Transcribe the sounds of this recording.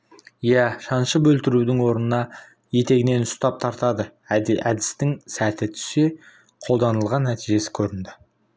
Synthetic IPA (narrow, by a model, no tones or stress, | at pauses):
jæʃɑnʃəpbɵlt̪ɪɾud̪ɪŋwo̞ɾənənɑ | je̞t̪e̞ɡʲɪne̞nʊst̪ɑp̚t̪ʰɑɾt̪ɑd̪əæd̪ɪst̪ɪŋsæt̪ɪt̪ʰʏ̥se̞ | qʰo̞lˠd̪ɑnəlˠʁɑnːæt̪ijʒe̞sɪ̥kʲʰɵɾɪnd̪ɪ